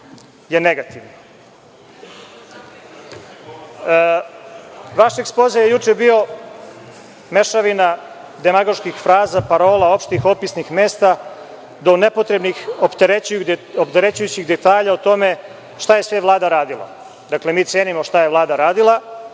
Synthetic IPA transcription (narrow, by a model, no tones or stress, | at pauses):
jeneɡat̪iʋn | ʋaʃeksplozajejut͡ʂebio̞ | me̞ʃaʋina | d̪emaɡo̞ʃkixfɾaːzapaɾo̞ːlao̞pʃt̪ixo̞pisnixmeːst̪a | d̪o̞nepo̞t̪ɾe̞bnixopt̪eɾeopt̪eɾet͡ɕujut͡ɕiɣd̪et̪aːʎaot̪o̞me̞ | ʃt̪aje̞sʋe̞ʋlˠaːd̪aɾaːd̪ilˠa̰ | d̪akle̞miːt̪sjeːnimo̞ʃt̪aje̞ʋlˠaːd̪aɾaːd̪ilˠa